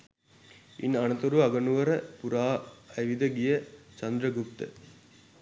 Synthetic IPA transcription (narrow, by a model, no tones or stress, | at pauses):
ḭnɐnət̪oɾuʋɐɡənuʋəɾəpuɾaːɐjʋid̪əɡijət͡ʃɐnd̪ɾəɡup̚t̪ə̰